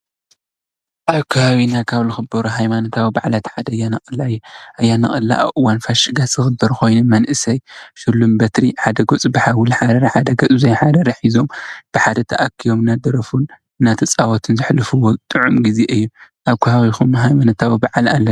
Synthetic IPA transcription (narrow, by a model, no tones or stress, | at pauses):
ʔaβkʰahawinakʰaβlɨxɨbɐɾuɦajmanot̪ʰawibaʕlat̪ħad̪ɐjːanɐkʼɨlːaɨjːuʔɐjːanɐχʼɨlːa̰ʔβʔɨwanfaʃɨɡasɨɣɨbːɐɾxo̞jnumɐnʔɨsɐjʃɨlːumbɐt̪ɾiħad̪ɐɡot͡sʼbɨħawulħad̪ɐɾɐħad̪ɐɡɐt͡sʼzɐjħad̪ɐɾɐħizo̞mb̥ɨħad̪ɐt̪ʰɐʔakʰːijomɨnːad̪ɐɾɐfun | ɨnːat̪ʰɐt͡sʼawot̪ʰɨnzɨħlɨfuwot̪ʼɨʕumɡize̞ʔɨjːuʔaβkʰɐhawixumɦajmanot̪ʰawibaʕalalːɐ